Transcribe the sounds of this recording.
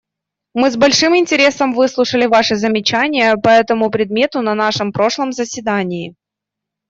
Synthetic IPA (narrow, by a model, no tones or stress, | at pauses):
mɨzbɐlʲʂɨmɪnʲtʲɪɾʲe̞səmvɨslˠʊʂəlʲɪvaʂɨzəmʲɪt͡ɕænʲɪjəpɐɛt̪əmʊpɾʲɪd̪̚mʲe̞t̪ʊnɐnaʂɨmpɾo̞ʂlˠəmzəsʲvʲɪd̪anʲɪː